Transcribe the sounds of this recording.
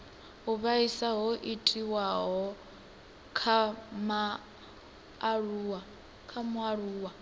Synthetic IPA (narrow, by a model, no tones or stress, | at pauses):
ɦuβaisaɦɔʔitʼiwaɦɔ | kʰama | ruːa | kʰamuaɺuːwa